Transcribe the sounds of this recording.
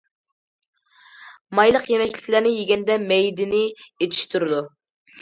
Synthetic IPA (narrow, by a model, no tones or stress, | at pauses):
mɑjlˠəqjemɛkʲlʲɪkʲlæɾnɪjeɡʲɛnd̪ɛmɛjd̪ɪnɪet̪ʰi̥ʃt̪ʰuɾɨd̪u